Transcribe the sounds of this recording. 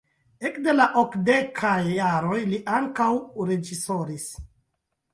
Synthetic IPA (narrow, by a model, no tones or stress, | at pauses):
ekde̞laʔokde̞kʰajːaɾo̞jliʔaŋkawɾe̞d͡ʒiso̞ɾis